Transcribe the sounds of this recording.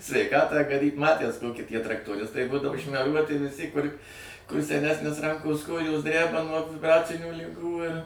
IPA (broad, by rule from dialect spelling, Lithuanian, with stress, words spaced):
sʲʋʲɛɪˈkɑːtɑː ɡɐˈdʲiːt ˈmɑːtʲæs ˈtoːkʲiː ˈtʲiɛ trɐktoːˈrʲɪstɐɪ ˈbuːdɐʋoː ʃʲmʲɛˈruɔtʲɪ ʋʲɪˈsʲɪ kʊr sʲɛˈnʲæːsʲnʲɪs ˈrɐŋkoːs ˈkoːjoːs ˈdʲrʲæbɐ nuɔ ʋʲɪbˈrɑːt͡sʲɪnʲuː lʲɪˈɡuː ɪr